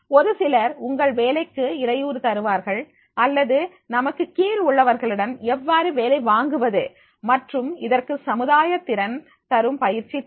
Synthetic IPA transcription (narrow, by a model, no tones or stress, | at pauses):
ɔɾɯsɪlɐɾʊŋɡɐɭʋeːlɐɪkːɯɪɾɐjuːɾɯt̪ɐɾɯʋaːɾɣɐɭ | ɐlːɐðɯ | nɐmɐkːɯkiːlʊɭːɐʋɐɾɣɐɭɪɽɐnɛʋːaːɾɯʋeːlɐɪʋaːŋɡɯʋɐðɯ | mɐʈrɯmɪðɐrkɯsɐmɯðaːjɐt̪ːɪɾɐn | t̪ɐɾɯmpɐjɪɾt͡ʃi